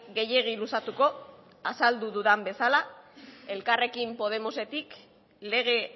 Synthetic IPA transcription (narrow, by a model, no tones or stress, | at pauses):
ɡe̞je̞ɣ̞ilusat̪uko̞ | asald̪uðuðambe̞salae̞lkare̞kimpo̞ð̞e̞mo̞se̞t̪ik | le̞ɣ̞e̞